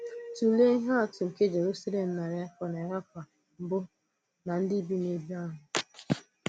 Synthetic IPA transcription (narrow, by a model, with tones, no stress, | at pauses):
tu˨le˦ɦa˦a˨tʊ˨ŋ̩˨ke˦d͡ʒe˨ɾu˦sa˦le˨m̩˨na˨ɾe˦kɔ˨ne˨ɾa˦k̚ʷa˨ | m̩˨bʊ˦ | na˨n̩˦dɪ˦bi˦ne˦bi˦a˦ɦʊ˨